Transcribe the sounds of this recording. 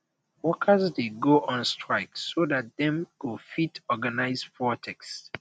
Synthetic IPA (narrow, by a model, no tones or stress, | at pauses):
wɔkʰəzdeɡoʔɔ̃nstʰɹaɪksodat̚dɛ̃mkufitɔɡanaɪzfɔtʰɛks